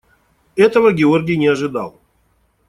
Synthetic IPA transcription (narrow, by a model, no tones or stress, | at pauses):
ɛt̪əvəɡʲɪorɡʲɪjnʲɪɐʐɨd̪ɑ̰lˠ